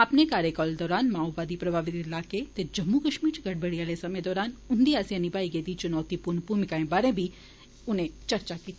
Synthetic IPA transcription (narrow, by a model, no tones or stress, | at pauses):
ɐpnekaːɾjekɔːld̪ɔːɾaːnmaːɔbaːd̪ipɾɐbʱaːʋɪt̪ɪlaːket̪ed͡ʒɐmːukɐʃmiːɾt͡ʃɡɐɽbəɽijaːlesɐmẽd̪ɔːɾaːnʊnd̪iaːsiɐnibaːiɡeːd̪it͡ʃʊnɔːt̪ipuɾnpumɪkaẽbaːɾẽbʱi | ʊnẽt͡ʃɐɾt͡ʃakiːt̪i